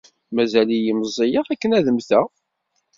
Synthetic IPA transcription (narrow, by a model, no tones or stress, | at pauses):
mæzælijiməzˤːijəʁækːənæðəmθæ